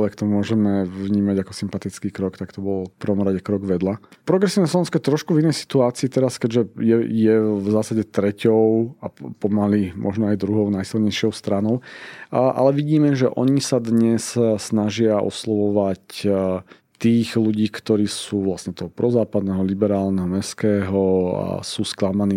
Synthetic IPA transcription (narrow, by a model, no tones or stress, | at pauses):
ʋɛkt̪ɔmʊɔʒɛmɛʋɲiːmaɟakɔ̥simpat̪it͡skiːkɾɔkt̪akt̪ɔbɔlfpr̩ʋɔmɾaɟɛkɾɔɡʋɛd̪la | pɾɔɡɾɛsiːʋnɛslɔʋɛnskɔɛt̪ɾɔʃkuvinɛjsi̥t̪uaːt͡siːt̪ɛɾaskɛɟʒɛjɛjɛvzaːsaɟɛt̪ɾɛcɔʊapɔmalimʔɔ̰ʒnɔajd̪ɾuɦɔʊnajsilɲɛjʃɔʊst̪ɾanɔʊ | ʔa̰lɛʋiɟiːmɛʒɛʔɔ̰ɲisad̪ɲɛssnaʒɪaʔɔ̰slɔʋɔʋac | t̪iːɣluɟiːkt̪ɔɾiːsuːʋlasɲɛt̪ɔɦɔpɾɔzaːpad̪nɛɦɔlibɛɾaːlnɛɦɔmɛskɛːɦɔa̰suːsklamaniː